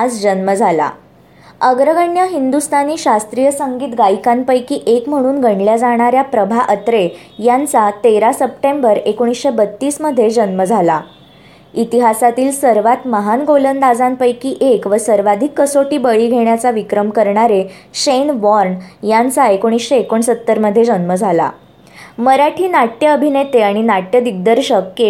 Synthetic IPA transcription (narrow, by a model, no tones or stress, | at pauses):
ad͡zd͡ʑənməd͡zʱala̰ | əɡɾəɡəɳjaɦind̪ust̪ʰaniːɕast̪ɾijəsəŋɡiːt̪ɡajkanpəjkiːʔekm̤əɽ̃uːnɡʱəɳljad͡zaɽ̃aɾjapɾəbʱaʔət̪ɾe | jant͡sat̪eɾasəpʈẽmbəɾekoɽ̃isɕebət̪ːiːsməd̪ʱːjed͡ʑənməd͡zʱala | it̪iɦasat̪iːlsəɾʋat̪məɦanɡolənd̪ad͡zãnpəjkiːʔekʋəsəɾʋad̪ʱikːəsoʈiːbəɭiːɡʱeɽjat͡saʋikɾəmkəɾɳaɾeɕenʋɔɾnjãnt͡saekoɽ̃isɕeekoɳsət̪ːəɾməd̪ʱjed͡zənməd͡zʱala̰ | məɾaʈʰiːnaʈjəəbʱinet̪eaɽ̃inaʈjəd̪iɡ̚d̪əɾɕəkje